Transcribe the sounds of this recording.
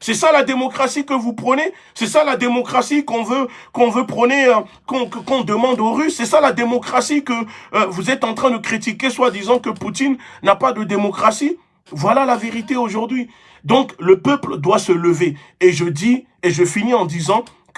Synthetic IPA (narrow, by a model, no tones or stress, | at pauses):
sɛsalad̪emɔkχasikəvupχəne | sɛsalad̪emɔkχasikɔ̃vøkɔ̃vøpχəne | kɔ̃kkɔ̃d̪əmɑ̃d̪oʁysːɛsalad̪emɔkχasikəvuzɛt̪ɑ̃t̪χɛ̃d̪əkχit̪ikʲeswad̪izɑ̃kəput̪inːapad̪əd̪emɔkχasi | vwalalaveʁit̪eoʒuʁd̪ɥi | d̪ɔ̃kləpœpld̪wasələve | eʒəd̪i | eʒəfiniɑ̃d̪izɑ̃ | k